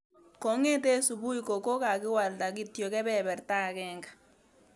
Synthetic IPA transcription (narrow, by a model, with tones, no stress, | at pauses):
kɔ˨˦ŋe˦te˦su˨bu˦i˦ko˨ko˦ka˨kɪ˦wa˨lta˨ki˦tjo˨kɛ˦bɛ˦bɛ˨rta˦˨kɛ˦ŋɡḁ˨